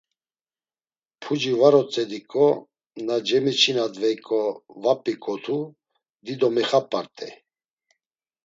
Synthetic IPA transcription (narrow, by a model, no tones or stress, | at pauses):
pʰud͡ʒivaɾɔt͡sʼɛd̪ikʼɔ | nad͡ʒɛmit͡ʃʰinad̪vɛjkʼɔvapʼikʼɔt̪ʰu | d̪id̪ɔmɛχapʼaɾt̪ʼɛ̰